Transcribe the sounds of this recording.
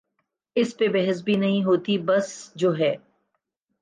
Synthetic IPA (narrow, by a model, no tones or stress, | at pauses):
ɪspebɛɦɪs̬bʱinɐɦĩɦoːt̪ibɐsd͡ʒoːɦɛː